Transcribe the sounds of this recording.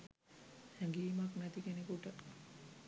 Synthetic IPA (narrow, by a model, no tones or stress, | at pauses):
hɛŋɡiːmaknæt̪ikenekuʈə